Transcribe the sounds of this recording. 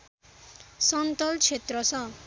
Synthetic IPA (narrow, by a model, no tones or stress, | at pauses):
sʌnt̪ʌlt͡sʰet̪rʌsʰʌ